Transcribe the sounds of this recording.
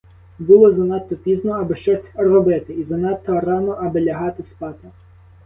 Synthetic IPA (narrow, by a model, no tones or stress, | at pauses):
bʊlˠɔzɐnɑt̪ːɔpʲiznɔɐbɪʃt͡ʃɔsʲrɔbɪt̪ɪizɐnɑt̪ːɔrɑnɔʔɐbɪlʲɐɦɑt̪ɪspɑt̪ɪ